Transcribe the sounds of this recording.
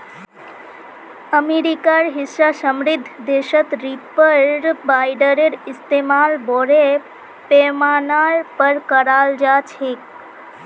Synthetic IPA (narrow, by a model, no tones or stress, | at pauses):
əmeɾikaɾɦɪsasəmɾɪd̪ʱːd̪eʃət̪ɾipəɾbajɖəɾeɾɪst̪emaːlboɾe | pemaːnaɾpəɾkəɾald͡ʒaːt͡ʃʰek